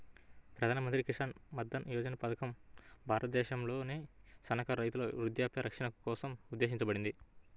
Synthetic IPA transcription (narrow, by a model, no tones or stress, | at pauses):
pɾɐd̪ʱaːnɐmɐnt̪ɾikiʂʈɐnmɐd̪ːɐnjɔːd͡ʒɐnɐpɐd̪ɐkɐmbʱaːɾʔɐt̪ɐd̪ɛːʃɐmlo̞ːne̞ːsɐnɐkɐɾɐjt̪̬ulo̰ːʋɾud̪jaːpjɐɾɐkʂɐnɐku̥kɔːsɐmud̪ːe̞ːʃ̬iɲt͡ʃɐbɐɽind̪i